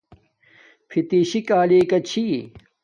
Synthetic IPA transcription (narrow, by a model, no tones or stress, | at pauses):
pʰit̪iːɕikaːliːkɐt͡ɕʰi